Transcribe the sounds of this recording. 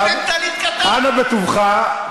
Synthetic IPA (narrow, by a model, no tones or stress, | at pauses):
v | ʔanabet̪uvχa